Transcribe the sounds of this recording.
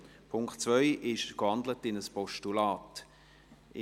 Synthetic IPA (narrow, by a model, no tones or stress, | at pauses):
pʰʊŋkχtt͡svœʏʔɪʃkvɑndlətɪnəspɔʃtulɑːt | ɪ